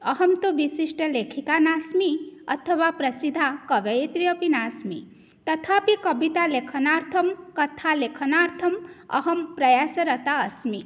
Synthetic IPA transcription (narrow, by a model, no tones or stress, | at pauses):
ʌɦɐmt̪uʋisiʂʈəlekʰikanasmiʌ̰t̪ʰəʋapɾɐsid̪ʱakʌʋejet̪ɾijʌpinaːsmi | t̪ʌt̪ʰapikʌbit̪alekʰɐnaɾt̪ʰɐmkɐt̪ʰalekʰənaɾt̪ʰɐmʌ̰ɦɐmpɾɐjasəɾʌt̪aəsmi